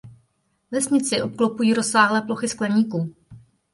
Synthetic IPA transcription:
vɛsɲɪt͡sɪʔo̞p̚klopujiːɾo̞saːɦlɛːplo̞xɪsklɛɲiːkuː

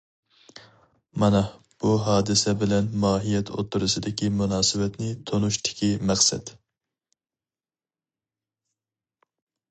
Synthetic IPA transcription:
mɑnɛ | b̥uɦɑːd̪ɨsɛbɪlɛnmɑːɦijɛt̪ʰo̰t̪ʰːuɾɨsɨd̪ɪkʲimunɑːsɨbɛt̪nɪt̪ʰonuʃt̪ʰɪ̥kʲimæχsɛ̰d̪

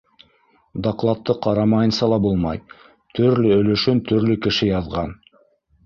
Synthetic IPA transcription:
d̪ɑqlˠɑt̪ːɤqʰɑɾɑmɑjɤnsɑlˠɑbulˠmɑj | t̪ʰɵɾlɵɵ̆lɵ̆ʃɵnt̪ʰɵ̆ɾlɵkɘ̆ʃɘjɑðʁɑn

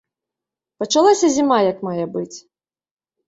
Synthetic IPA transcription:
pɐt͡ʂalˠasʲɐzʲimajɐkmajɐbɨt͡sʲ

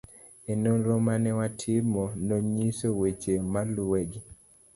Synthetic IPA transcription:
enonɾomanɛwatʰɪmɔnoɲisowet͡ʃemaluweɡi

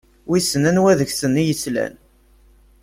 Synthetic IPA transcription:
wisənænwæðəçsənːijəslæ̰n

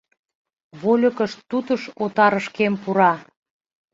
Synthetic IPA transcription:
βolʲə̆kə̆ʃt̪ːut̪əʃot̪ɑɾəʃkempuɾɑ

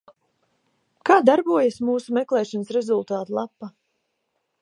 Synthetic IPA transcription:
kaːd̪aɾbuɔjasmuːsumɛklˠɛːʃansɾɛzulˠt̪aːt̪ulˠapːa

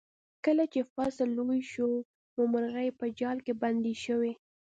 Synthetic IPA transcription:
kəlat͡ʃefasəlːojʃo | momaɾɣajpəd͡ʒɑlkeband̪iʃəwe

